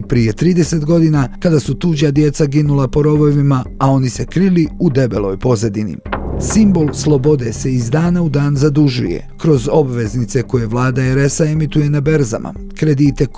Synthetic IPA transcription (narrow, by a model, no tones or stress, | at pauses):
pɾije̞t̪ɾiːd̪e̞se̞t̪ɡo̞d̪inakad̪asut̪uːd͡ʑad̪je̞t̪saɡinulapo̞ɾo̞ʋoʋimaao̞nise̞kɾiliud̪e̞be̞lo̞̰jpo̞zad̪inḭsimbo̞lˠslˠo̞bo̞d̪e̞se̞izd̪aːnaud̪aːnzad̪uʒṵjḛkɾo̞zo̞bʋe̞znit̪se̞ko̞je̞ʋlˠaːd̪aeɾe̞sae̞mit̪uje̞nabe̞ɾza̰mʔa̰ | kɾe̞d̪iːt̪e̞